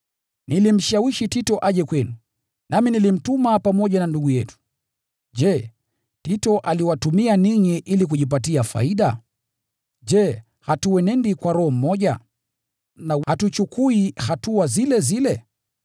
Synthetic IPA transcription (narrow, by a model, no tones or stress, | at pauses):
nilim̩ʃawiʃititɔʔaʄɛkwɛnu | naminilim̩tumapamɔʄananduɡujɛtu̥ | ʄɛ | titɔʔaliwatumianiɲiʔilik̬uʄip̬atiafa̰iɗa | ʄɛ | hatuwɛnɛndikwaɾɔhɔm̩mɔʄa̰ | nahatut͡ʃukuihatuazilɛzilɛ